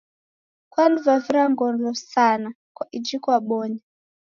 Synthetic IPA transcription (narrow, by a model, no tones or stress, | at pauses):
kwanduvaviɾaŋɡɔnlɔsana | kwaʔid͡ʒikɔaɓɔɲa